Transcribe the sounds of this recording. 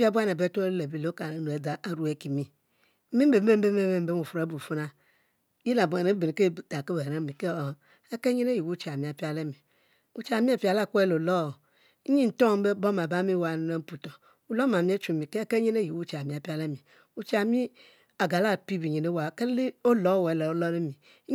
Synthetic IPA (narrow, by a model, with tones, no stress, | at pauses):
pa˦bʷu˦a˦ne˨be˦tle˨bi˦lo˦ka˨nu˨e˨da˨a˨ɾu˦e˨˦ki˨mi˨˦ | mi˦be˨˦e˦m˦be˦e˦me˦m˦be˦u˨fe˨˦bu˨fu˦na˦ | ji˦la˨bu˨a˨ne˨˦be˨n˨ke˦˨ta˨ke˦be˨ɾa˦mi˨ke˦˨ | e˦ke˦ɲi˦ne˦ji˨wu˦t͡ʃa˨mi˨a˨pi˦a˦le˦mi˨ | u˨t͡ʃa˨mi˦a˦˨pi˨a˨la˦˨kʷe˦lo˨lɔ˦˨˦ | ɲi˦n̩˨tɔ˦˨˦be˦bɔ˦ma˨ba˦mi˦wa˨n˨ne˦m˦pu˨tɔ˨ | u˨lɔ˦m˨a˨mi˦e˦t͡ʃu˨mi˨ke˦ke˦ɲe˦ne˦ji˨wu˦t͡ʃa˨mi˨a˨pi˦a˦le˦mi˨ | u˨t͡ʃa˨mi˦ | a˨ɡa˨la˦˨pi˦bi˨ɲi˨ne˨˦wa˨ke˦li˦o˦lɔ˨˦wlɛ˨o˦lɔ˦ne˦mi˨˦